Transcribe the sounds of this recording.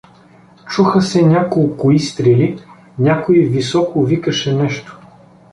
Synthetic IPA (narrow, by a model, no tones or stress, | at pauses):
t͡ʃuxəsɛnʲakolˠkʊist̪ɾili | nʲakoivisɔkʊvikəʃɛnɛʃt̪o̥